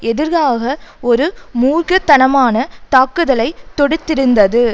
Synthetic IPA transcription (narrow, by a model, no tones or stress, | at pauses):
ɛðɪɾɣaːɣɐɔɾɯmuːrɣɐt̪ːɐnɐmaːnɐt̪aːkːɯðɐlɐɪt̪ːɔɽɯt̪ːɪɾɯnd̪ɐðɯ